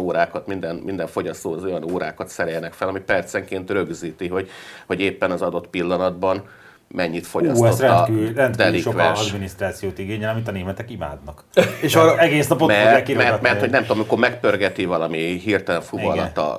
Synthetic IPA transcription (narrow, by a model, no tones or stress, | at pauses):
oːɾaːkɒt̪mind̪ɛnmind̪ɛɱfoɟɒst̪oːzo̞jɒnoːɾa̰ːkɒt̪sɛɾɛjːɛnɛkfɛlɒmipɛrt̪sɛŋkeːnt̪rø̞ɡziːt̪iɦo̞ɟho̞ɟeːpːɛnɒzɒd̪o̞t̪pilːɒnɒd̪bɒn | mɛɲːit̪fo̞ɟɒoɾɛːrɛnt̪d̪liʃoʋɛ̰ʃɒd̪minist̪ɾaːt̪sijoːt̪iɡeːɲɛɒmint̪ɒneːmɛt̪ɛkima̰ːd̪nɒkeʃɒɛɡeːsnɒpomɛrɛtkimɛrmɛrtho̞ɟnɛmt̪omikoːmɛkpø̞rɡɛt̪ivɒlɒmiɦirt̪ɛlɛɱfuvɒlɒ̰t̪ɒ̰